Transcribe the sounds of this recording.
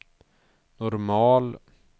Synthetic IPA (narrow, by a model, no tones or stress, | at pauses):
nɔɾmɑːl